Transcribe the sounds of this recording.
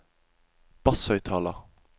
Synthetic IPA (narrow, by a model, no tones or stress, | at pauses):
b̥ɑsœʏt̪ʰɑːlɑ